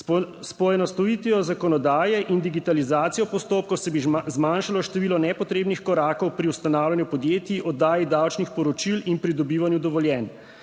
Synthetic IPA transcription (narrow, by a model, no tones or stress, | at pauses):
spɔjɛnɔst̪ɔjiːt̪ijɔzakɔnɔd̪aːjɛʔind̪iɡit̪alizaːt̪sijɔpɔst̪oːp̚kɔwsɛbizmanʃalɔʃt̪ɛʋiːlɔnɛpɔt̪ɾeːbnixkɔɾaːkɔwpɾiwst̪anaːwlʲjanjupɔd̪jeːt̪iʔɔd̪ːaːjid̪awt͡ʃnixpɔɾɔt͡ʃilinpɾid̪ɔbiːʋanjud̪ɔʋɔljɛn